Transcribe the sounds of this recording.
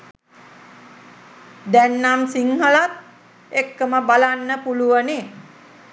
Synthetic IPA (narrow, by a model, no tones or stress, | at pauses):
d̪ɛnːamsiŋhəlat̪̚ | ekːəməbalanːəpuluwəne